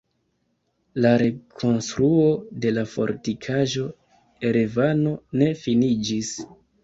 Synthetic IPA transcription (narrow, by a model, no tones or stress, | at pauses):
laɾe̞kʰo̞nstɾuo̞de̞lafo̞̰ɾtikʰaʒo̞ | eɾevano̞ne̞finid͡ʒis